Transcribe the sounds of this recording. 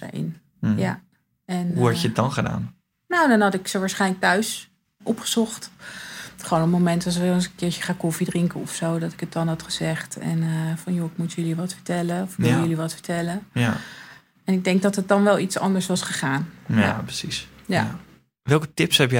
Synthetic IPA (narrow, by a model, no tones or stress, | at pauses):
ɪ̰n | ja̰ | ɛnɦuɛtəət̚dɑnχəda̰ːn | nowdɔnɦɑtɪksəʋaːɹsχɛjnlək̚tœɥs | ʔɔpχəz̥ɔχt | χəoːnəpmomɛntɑs̬knnsəkɪːɹjəχaːkɔfidrɪŋkəɔfsowdɑtɪ̥kət̚dɑnɦɑtχəz̥ɛχtɛ̰nəfɑnjoɪkmutjəliʋɑtfə̥ɹtɛləɔfʋʋɪləjəliʋɑtfə̥ɹtɛlə | ɛnɪɡ̚dɛŋɡ̚dɑtət̚dɑnʋɛlˠitsɑ̰ndəɹsʋɑsχəχaːnjapəsis | ja̰ | ʋɛlˠkətɪpshɛpj